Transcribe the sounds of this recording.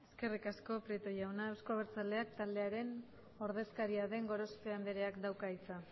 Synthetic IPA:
e̞ske̞rikasko̞pɾit̪ojawnaewsko̞aβ̞eɾt͡sale̞akt̪ald̪e̞aɾe̞n | o̞ɾðe̞skaɾiaðe̞ŋɡo̞ɾo̞spe̞and̪eɾe̞akd̪awkait͡sa

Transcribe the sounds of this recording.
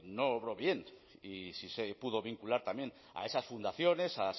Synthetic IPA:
noːβɾo̞βje̞nisisepuð̞o̞β̞iŋkulaɾt̪amjẽ̞n | a̰e̞sasfund̪aθjo̞ne̞sas

